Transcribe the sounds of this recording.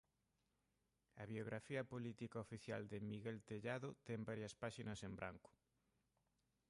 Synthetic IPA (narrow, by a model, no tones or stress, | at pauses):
ɐβjoɣɾafiɐpolit̪ikaofiθja̰ld̪ɪmiɣelt̪eʎaðʊt̪ɛmbaɾjɐspaʃinɐsembɾʔa̰ŋkʊ̥